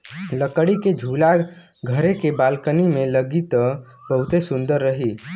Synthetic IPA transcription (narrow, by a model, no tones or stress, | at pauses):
ləkəɽiked͡ʒʱula | ɡʱəɾekebalkənimeləɡit̪ɔ | bəɦut̪esũnd̪əɾːəɦi